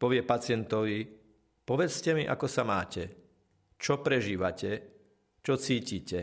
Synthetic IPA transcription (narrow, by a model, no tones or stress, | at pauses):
pɔʋɪɛpat͡sɪɛnt̪ɔʋi | pɔʋɛt͡scɛmiʔa̰kɔsamaːcɛ | t͡ʃɔpɾɛʒiːʋacɛ | t͡ʃɔt͡siːciːcɛ